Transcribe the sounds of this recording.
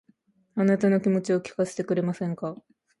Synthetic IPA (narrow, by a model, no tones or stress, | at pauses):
anat̪ano̞kʲimo̞t͡ɕio̞kʲi̥kase̥t̪e̞kɯ̟ɾe̞masẽ̞ŋka